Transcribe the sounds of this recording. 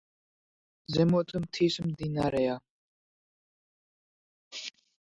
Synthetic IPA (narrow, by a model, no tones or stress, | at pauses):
zɛmɔt̪ʼɨmt̪ʰismd̪inaɾɛa